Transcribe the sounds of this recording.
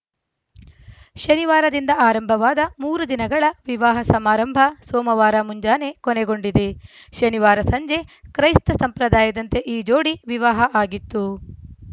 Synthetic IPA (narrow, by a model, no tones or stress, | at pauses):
ʃɐniʋaːɾɐd̪ind̪ɐaːɾɐmbʱɐʋaːd̪ɐmuːɾud̪inɐɡɐɭɐʋiʋaːɦɐsɐmaːɾɐmbʱɐsoːmɐʋaːɾɐmuɲd͡ʒaːne̞koneɡoɳɖid̪eʃɐniʋaːɾɐsɐɲd͡ʒe̞kɾɐjst̪ɐsɐmpɾɐd̪aːjɐd̪ɐnt̪e̞ʔiːd͡ʒoːɽiʋiʋaːɦɐʔaːɡit̪ːu